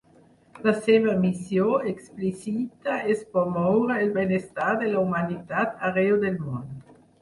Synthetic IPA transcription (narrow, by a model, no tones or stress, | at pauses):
laseβamisjoeksplisit̪aespomowɾaelbenest̪aɾd̪elaumanit̪at̪aɾeod̪elmond̪o